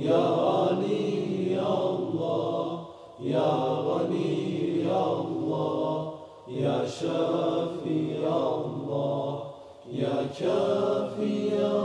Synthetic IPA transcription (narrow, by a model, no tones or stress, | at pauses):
jaanijalːɑː | jabɐnijaːlːɑ | jaːʃaɾfijalːɑː | jaːt͡ʃafija